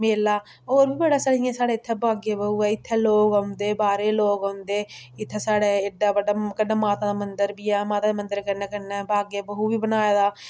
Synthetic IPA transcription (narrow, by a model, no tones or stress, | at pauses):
meːlaː | oːɾbiːbəɽaːsəɽɪjãːsaːɽeːɪt̪ʰːɛːbaːɡeːbəɦuːɛːɪt̪ʰːeːloːkoːnd̪eːbaːɾeːloːkõːnd̪eːɪt̪ʰːeːsaːɽeːeːɖːaːbəɖaːkənːaːmaːt̪ãːd̪aːmənd̪əɾbiːaːmaːt̪aːd̪eːmənd̪əɾkəɾnɛːkəɾnɛːbaːɡeːbəɦuːbiːbənaːjaːd̪aː